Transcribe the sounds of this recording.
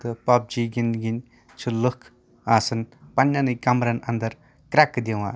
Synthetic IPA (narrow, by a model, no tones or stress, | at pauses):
t̪ɯpap̚d͡ʒiɡinɡin | t͡ʃʰulɯkʰ | asɯnpanːanɯjkamɾanand̪ɐɾ | kɾakːɯd̪ewa̰